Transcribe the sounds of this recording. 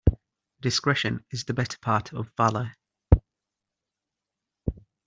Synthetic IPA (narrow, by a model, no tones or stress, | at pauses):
d̥ɪskɹɛʃə̃nɪzðəbɛtʰə̥pʰɑˑtʰə̰vːalə